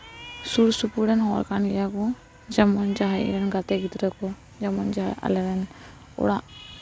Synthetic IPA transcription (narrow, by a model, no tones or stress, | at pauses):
suɾsupuɾɛnɦɔɾkanijakɔ | d͡ʒamɔnd͡ʒaɦaḭɾɛnɡat̪ɛɡit̪ɾəkɔ | d͡ʒamɔnd͡ʒaaa̰lɛɾɛn | ɔ̰ɽaʔ